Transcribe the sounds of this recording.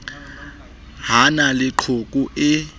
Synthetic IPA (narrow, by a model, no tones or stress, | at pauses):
ɦanalɪǃʰokʼuʔɪ